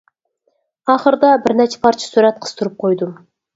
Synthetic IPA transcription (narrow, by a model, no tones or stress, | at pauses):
ɑχəɾd̪ɑbɪɾnæt͡ʃʰɛ̥pʰɑɾt͡ʃʰɑ̥suɾæt̪̚qʰə̥z̥t̪ʰʊɾɨp̚qʰojd̪ʊm